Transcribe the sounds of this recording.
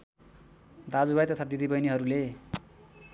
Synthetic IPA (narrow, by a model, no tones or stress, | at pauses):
d̪ad͡zubajt̪ʌt̪ʰad̪id̪ibʌjniɦʌɾule